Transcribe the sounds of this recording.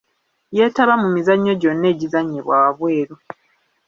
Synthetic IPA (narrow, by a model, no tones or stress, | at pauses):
je̞ːtaβamumizaɲːo̞ɟo̞nːe̞ːɟizaɲːeβwaːwaβwe̞ːɾo